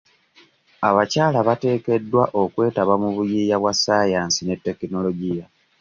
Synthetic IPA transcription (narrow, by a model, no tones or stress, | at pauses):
aβacaːlaβate̞ːke̞dːwaʔo̞kwe̞ːtaβamuβujiːjaβwasːaːjaːnsine̞tːe̞kino̞lo̞ɟija